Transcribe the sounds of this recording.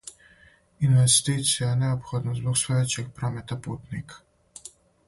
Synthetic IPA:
inʋɛst̪it̪sijanɛɔpxɔːd̪nazblɔkst̪ɔjet͡ʃɛkpɾaːmɛt̪apuːt̪nik

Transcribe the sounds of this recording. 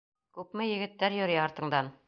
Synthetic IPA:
kʉpmɘjɘ̆ɡɘ̆t̪ːæɾjɵ̆ɾjæɑɾt̪ɤ̆ɴd̪ɑn

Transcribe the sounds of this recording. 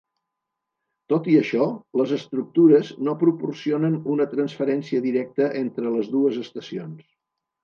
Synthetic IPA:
t̪ot̪iəʃɔləzəst̪ɾuk̚t̪uɾəznopɾupursionənunət̪ɾənsfəɾɛnsiəðiɾɛk̚t̪əʔent̪ɾələzðuəzəst̪əsions

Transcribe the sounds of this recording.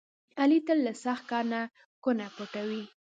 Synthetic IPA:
alit̪əlːasaxt̪̚kɑɾna | kʊnapoʈawi

